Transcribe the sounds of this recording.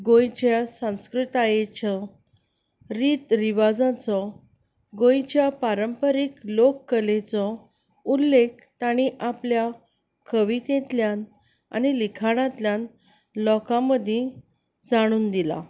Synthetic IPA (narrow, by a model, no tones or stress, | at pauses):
ɡõjt͡ɕjasãw̃skɾit̪ajet͡ɕɔ | ɾiːt̪ɾiʋad͡zãt͡sɔ | ɡõjt͡ɕjapaɾəmpəɾiklokːəlet͡sɔ | ulːek̚ʰt̪aɽ̃iʔaplja | kəʋit̪ẽt̪ljãn | a̰nilikʰaɽ̃ãt̪ljãn | lɔkãməd̪ʱjẽ | d͡zaɽ̃uːnd̪ila̰